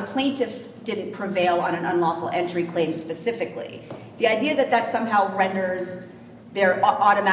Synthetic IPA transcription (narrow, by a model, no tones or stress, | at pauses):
əpʰl̥ẽɪ̃ntɨf | d̥ɪdⁿn̩pʰɹ̥ɨveɪlˠə̃ñɨ̃nə̰̃nlɔfl̩ˠɛ̃nt͡ʃɹ̥ikʰl̥ẽɪ̃mspɨsɪfɨklḭ | ðiaɪdiɨðɨt̪̚ðɨtsʌ̃mɦaʊɹɛ̃ndə˞z | ðə˞ʔɔɾɨmæ